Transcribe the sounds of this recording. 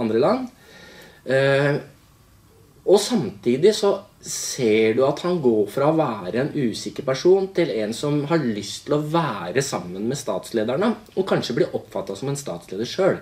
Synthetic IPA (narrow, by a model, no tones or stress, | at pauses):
ɑnd̪ɾəlɑnː | ɔsɑmt̪ʰiːd̪ɪsɔseːɖʉɑt̪hɑnɡoːɾfɾɑɔʋæːɾəɛnʉːsɪkəɾpæʂuːnt̪ʰɪlɛnsɔmɦɑɭʏst̪ʰɪlɔʋæːɾəsɑmːənmɛst̪ɑːt̪sleːd̪æɳə | ɔkʰɑnʂəblɪʔɔpːfɑt̪ːɑsɔmɛnst̪ɑ̰ːt̪sleːd̪əʂøːɽ